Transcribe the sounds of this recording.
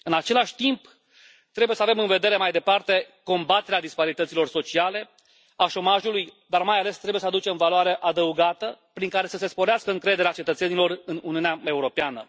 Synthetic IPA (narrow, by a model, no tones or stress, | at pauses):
ɨnat͡ʃe̞laʃʲt̪imp | t̪ɾebujesəavemɨnve̞d̪e̞ɾe̞majd̪e̞part̪e̞ | ko̞mbat̪e̞ɾead̪ispaɾit̪ət̪silo̞rso̞t͡ʃiale̞ | aʃo̞maʒulujd̪armajale̞st̪ɾebuje̞sad̪ut͡ʃe̞mvaloaɾe̞ʔad̪əuɡat̪əpɾiŋkaɾe̞səse̞spo̞ɾeaskəɨŋkɾe̞d̪e̞ɾeat͡ʃe̞t̪ət̪se̞nilo̞rɨnuniuneae̞uɾo̞peanə